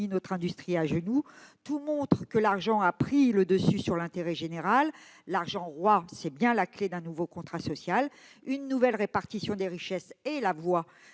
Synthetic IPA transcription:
inɔt̪χɛ̃d̪yst̪χiaʒənut̪umɔ̃t̪χəkəlaʁʒɑ̃apχiləd̪əsysyʁlɛ̃t̪eʁɛʒeneʁalːaʁʒɑ̃ʁwasɛbjɛ̃lakled̪ɛ̃nuvokɔ̃t̪χasɔsjal | ynːuvɛlʁepaʁt̪isjɔ̃d̪eʁiʃɛselavwa

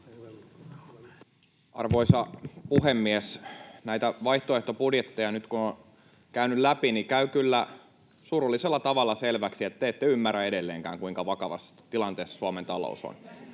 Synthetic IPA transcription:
ʔɑ̰rʋoisɑpuhemːiesnæit̪æʋɑiht̪oeht̪opudjet̪ːejɑnyt̪kuno | kæynyllæpinikæykylːæ | surulːiselːɑt̪ɑʋɑlːɑselʋæksiet̪ːeet̪ːeymːæræeɾelːeːŋkæ̰ːŋkuiŋkɑʋɑkɑʋɑ̰st̪ilɑnt̪eːsːsuɑment̪ɑlo̰uso̰n

